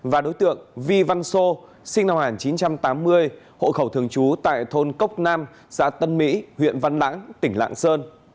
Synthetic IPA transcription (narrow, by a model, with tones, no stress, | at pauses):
vaː˨˩ɗo˨˦jt̪ɨ̰˧˨əŋvi˧va˧nso˧ | sï˧ŋ̟na˧wŋaː˨˩nt͡ɕi˨˦nt͡ɕa˧mt̪aː˨˦mːɨ˧əj | ho̰˧˨xə˧˩wt̪ʰɨ˧˩əŋt͡ɕu˨˦t̪a̰ː˧˨jt̪ʰo˧nkə˦˥wk͡p̚naː˧m | z̥a̰ː˧˥t̪ə˧nmḭ˧˥hwḭ˧˨ənva˧nla̰ː˧˥ŋt̪ï˧˩ŋ̟la̰ː˧˨ŋsəː˧n